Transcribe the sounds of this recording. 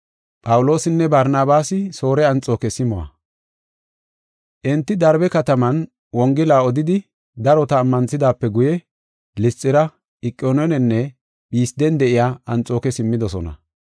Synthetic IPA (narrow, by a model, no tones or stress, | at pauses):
pʼɐwʊlo̞ːsɪnːɛbɐɾnaːbaːsɪso̞ːɾɛɐnt͡sʼo̞ːkɛsɪmɔwɐ̰ | ʔɪnt̪ːɪd̪ɐɾbɛkɐt̪ɐmɐn | wɔŋɡɪlaːɔd̪ɪd̪ɪ | d̪ɐɾɔt̪ɐːmːɐnsɪd̪aːpːɛɡʊjɛ | lɪst͡sʼːɪɾɐ | ɪkʼːoːnɔnɛnːɛ | biːsd̪ɛnd̪ɛʔɪjaːɐnt͡sʼo̞ːkɛsɪmːɪd̪ɔsɔnɐ̰